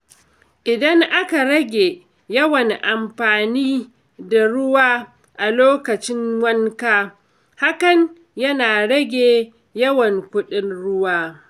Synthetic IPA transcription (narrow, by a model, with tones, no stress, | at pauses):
ʔɪ˨dɐ˦ŋʔa˦ka˨ɽɐ˦ɡʲeː˨ | jɐ˦wɐ˨ŋʔa˨mɸaː˨niː˦ | da˨ɽʊ˦waː˦ | ʔa˨loː˦kɐ˨t͡ʃɪ˦ŋwɐ˦ŋkaː˦ | ha˦kɐ˨n | jɐ˦naː˨ɽɐ˦ɡʲeː˨ | jɐ˦wɐ˨ŋkʷʊ˦ɗɪ˦nɽʊ˦waː˦